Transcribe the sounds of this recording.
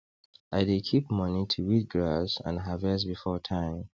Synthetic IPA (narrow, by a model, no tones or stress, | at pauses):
ʔaɪdekʰipmʌnitʰuwit̚ɡɹasã̰nɦavɛs̬bifɔtʰãɪ̃m